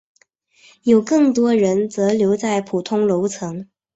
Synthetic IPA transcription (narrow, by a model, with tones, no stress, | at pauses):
jo˨˩ʊkɤ˥˩ŋt̪wɔ˥ɻə˧˥nt͡sɤ˧˥ljo˧˥ʊt͡sa˥˩ɪpʰu˨˩t̪ʰʊ˥ŋlo˧˥ʊt͡sʰɤ˧˥ŋ